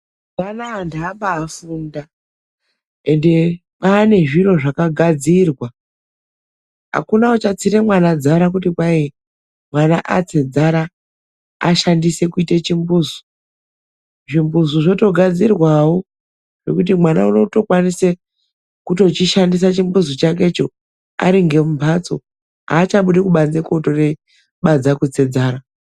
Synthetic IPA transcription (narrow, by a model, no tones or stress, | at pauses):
manaːndaaːmbaːfunda | e̞nde̞ | paːne̞ʐiro̞ʐakaɡʱad͡zirwa | ɦa̰kunaot͡ʃat͡siɾe̞mwanad͡zaɾak̬utikwai | mwanaʔa̰t͡se̞d͡zaɾa̰ː | ʃandise̞kuitet͡ʃimbuːzo̥ | ʐimbuzoʐo̞to̞ɡʱad͡zirwawo | ʐ̥e̞̰kut̬imwanauno̞to̞kwanise | kuto̞t͡ʃiʃandis̬at͡ʃimbuzot͡ʃake̞t͡ʃo̞ | a̰ɾiŋɡe̞mumpʰat͡so̞̰ | a̰ːt͡ʃaɓuɗikuɓand͡zeko̞to̞re̞ | ɓad͡zakut͡se̞d͡zaːɾa